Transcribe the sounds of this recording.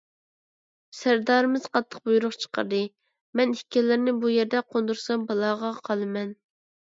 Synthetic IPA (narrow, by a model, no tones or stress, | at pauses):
sæɾd̪ɑːɾɨmɪz̥qɑt̪ʰːə̥q̚bujuɾʊχt͡ʃʰə̥qə̰ɾd̪ɨ | mɛnikʲʰːɛlːɪɾnɪbujɛɾd̪ɛqʰond̪uɾsɑmbɑlˠɑːʁɑqʰɑlˠɨmɛn